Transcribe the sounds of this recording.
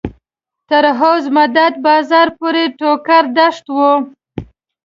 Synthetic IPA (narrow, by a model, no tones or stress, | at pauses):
t̪əɾɦowzmad̪ad̪̚bɑzɑɾpoɾeʈokaɾd̪aʂt̪wu